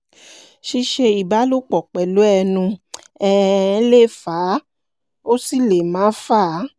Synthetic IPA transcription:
ʃi˧ʃe˧i˨ba˨˦lu˦k͡pɔ˨k͡pɛ˨lu˨˦ɛ˧nũ˧ | ɛ˧˦le˦˨faː˨˦ | o˦si˦˨le˨mãː˨˦fa˦˨˦

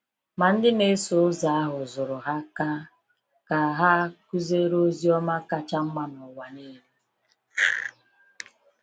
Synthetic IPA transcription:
ma˨n̩˦dɪ˦ne˦so˨ʊ˦za˨a˦ɦʊ˨zʊ˨ɾʊ˨ɦa˦ka˦ | ka˨ɦa˦ku˦ze˦ɾo˦zi˦ɔ˦ma˦ka˦t͡ʃa˦m̩˦ma˨nɔ˨wa˨ne˦ɾe˦

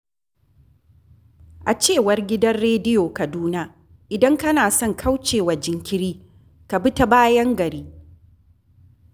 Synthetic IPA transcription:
ʔa˨t͡ʃeː˦˨wɐ˨rɡʲɪ˦dɐ˦nɽeː˦dɪ˦joː˨kɐ˨duː˦na˦ | ʔɪ˨dɐ˦ŋkɐ˦naː˨sɔ˦˨ŋkʰa˦wt͡ʃeː˨wa˨d͡ʒɪ˨ŋkʲɪ˦ɾiː˦ | ka˨bɪ˦ta˦baː˦jɐ˦ŋɡɐ˨ɾiː˦

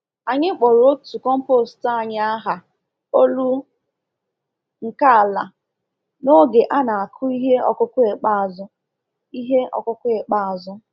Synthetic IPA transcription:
a˨ɲɪ˦k͡pɔ˨ɾo˦tu˨kɔ˦m̩˦po˦˨sta˦˨ɲ˦a˦ɦa˨ | o˦lu˦ | ŋ̩˨ka˦a˨la˨ | no˦ɡe˨ʔa˦na˨a˨kʰʊ˦i˦ɦe˦ɔ̰˨kʊ˦kʊ˦e˨k͡pa˦a˨zʊ˦ | i˦ɦe˦ɔ̰˨kʊ˦kʊ˦e˨k͡pa˦a˨zʊ˦

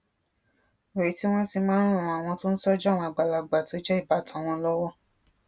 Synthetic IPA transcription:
o˨i˨˦ti˦w̃ɔ̃˦ti˧mãː˦n˦ɾ̃ũũ˧˨a˨w̃ɔ̃˧to˦ñ̩˦sɔ˦d͡ʒɔ˦˨w̃ɔ̃˧a˨ɡ͡ba˨la˨ɡ͡ba˨to˨˦d͡ʒɛ˦i˦˨ba˨˦tã˨w̃ɔ̃˧lɔ˦wɔ˦

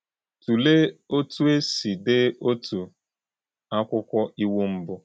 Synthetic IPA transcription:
tu˨le˦o˦tʰu˦e˦si˨dɪ˦o˦tu˨ | a˦kʷʊ˦kʷɔ˦ʔi˦wu˦m̩˦bʊ˦

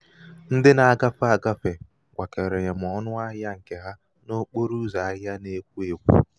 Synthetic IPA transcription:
n̩˦dɪ˦na˨a˦ɡa˦fʊ˦a˨ɡa˦fe˨ | ɡʷa˨ke˨ɾe˨ɲe˨m̩˨ɔ˨˦nʊ˦a˦ja˦ŋ̩˨kɪ˨ɣa˦ | no˦k͡po˦ɾu˦za˨a˦a˦ne˦kʷu˦e˨kʷṵ˦

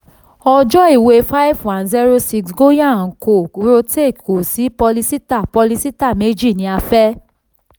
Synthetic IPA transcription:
ɔ˧d͡ʒɔ˦i˦˨we˧fa˦i˦vwã˨nzi˦ɾo˦si˧ksɡo˦ja˦˨n̩˨ko˨˧ɾo˧te˦˨ko˨si˨˦pɔ˧li˧si˦ta˦˨pɔ˧li˧si˦ta˦˨me˦d͡ʒi˦˨nĩ˧˦a˧fɛ˦

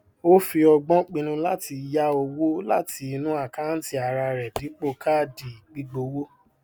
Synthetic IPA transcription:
o˦fi˧ɔ˧ɡ͡bɔ̃˦k͡pĩ˧nũ˧la˦ti˧ja˦o˧wo˦la̰˦ti˧i˧nũ˦a˦˨ka˦n̩˦ti˧a˨ɾa˧ɾɛ˨di˨˦k͡po˧ka˦di˨i˨k͡pi˦ɡ͡bo˧wo˦

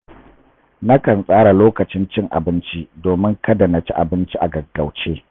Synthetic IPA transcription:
na˦kɐ˨nsʼaː˦ɽa˨loː˦kɐ˨t͡ʃɪ˦nt͡ʃɪ˦ŋʔa̰˨bɪ˦nt͡ʃi˦doː˨mɪ˦ŋkɐ˦da˨na˨t͡ʃi˦ʔa˨bɪ˦nt͡ʃi˦ʔa̰˨ɡɐ˨ɡa˨wt͡ʃeː˦

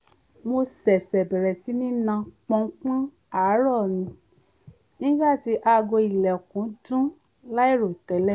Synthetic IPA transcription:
mo˧sɛ˨sɛ˨bɛ˨ɾɛ˨si˨˦nĩ˦nã˧k͡pɔ̃˧˦k͡pã˦ | a˨˦ɾɔ˦˨nĩ˧˦ | nĩ˦ɡ͡ba˦˨ti˧ʔa˧ɡo˧i˨lɛ˨o˨kũ˨˦dũ˦ | la˦i˦˨ɾo˨tɛ˨˦lɛ˦˨

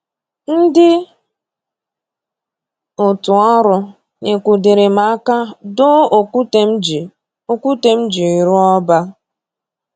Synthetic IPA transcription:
n̩˦dɪ˦ | ʊ˨tʊ˨ɔ˦ɾʊ˨ | ɲe˨kʷu˨de˨ɾe˨ma˨˦ka˦dʊ˦˨ku˦te˦d͡ʒi˨ | o˦kʷu˦te˦m̩˦d͡ʒi˨i˨ɾu˦ɔ˦ba˦

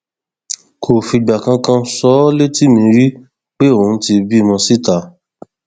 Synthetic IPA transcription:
kʰo˨fi˧ɡ͡ba˨kã˧kã˧sɔ˨˦le˦ti˦mĩ˧ɾi˦ | k͡pe˦o˨ũ˨˦ti˧bi˦˨mɔ̃˧si˦ta˨˦

